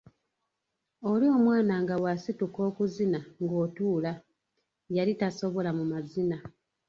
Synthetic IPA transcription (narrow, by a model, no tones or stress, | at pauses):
o̞lio̞mwaːnaŋɡawasituko̞ːkuzinaŋɡo̞ːtuːla | jalitaso̞βo̞lamumazina